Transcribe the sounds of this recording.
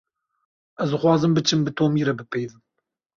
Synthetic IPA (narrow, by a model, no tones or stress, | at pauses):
ʔɛzd̪ɨxwɑːzɨmbɨt͡ʃʰɨmbɨt̪ʰoːmiːɾɛbɨpɛjðɨm